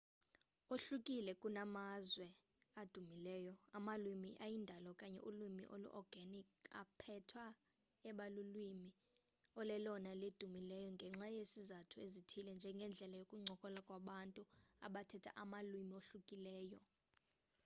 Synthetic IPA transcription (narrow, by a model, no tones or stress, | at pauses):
oɬukʼilɛkʼunamazwɛ | ad̥ʱumilɛːjɔamalwimiʔajindʱalɔkʼaɲɛ̰ʔulimḭʔo̰lṵʔɔrɡ̥ʱanika̰pʰɛtʰwa | ɛɓalulwimi | ɔlɛlɔnaled̥ʱumilɛjɔŋɡʱɛŋ͡ǁajesizatʰuezitʰilɛnd͡ʒʱɛŋɡʱɛnd͡ɮʱɛlajokʼuŋ͡ǀʱɔkʼɔlakʼwaɓantʼua̰ɓatʰɛtʰa̰ʔamalwimioɬukʼilɛːjɔ